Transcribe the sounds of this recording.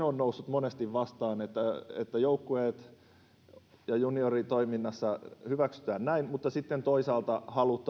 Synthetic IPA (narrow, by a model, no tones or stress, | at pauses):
onnousːut̪monest̪iʋʋɑst̪ɑːnet̪ːæḛt̪ːæjoukːueːt̪ | jɑjuniorit̪oiminːɑsːɑhyʋæksy̥t̪æːnnæinmut̪ːɑsit̪ːent̪oisɑːlt̪ɑhɑlut̪ːˑ